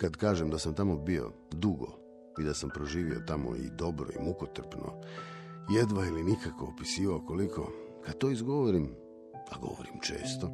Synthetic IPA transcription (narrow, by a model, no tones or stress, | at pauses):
kad̪kaːʒemd̪asamt̪amo̞bio̞̰ | d̪uɡo̞̰ | id̪asampɾo̞ʒiːʋio̞t̪amo̰ḭd̪o̞bɾo̞̰ḭmukot̪r̩pnʔo̰ | jed̪ʋailinikakoopisiːʋaoko̞likʰo̞ | kad̪̥̚t̪oːizɡo̞ʋoɾim | aɡo̞̰ʋo̰ɾimt͡ʃe̞̰ːst̪o